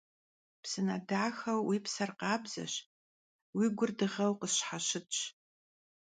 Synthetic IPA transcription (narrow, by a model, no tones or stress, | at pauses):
psɨnɐ̰daːxɐwwiːpsɐrqɑːbzɐ̰ɕ | wiɡʷʊrdɨʁɐwqəsħaɕɪtt͡ʃʼ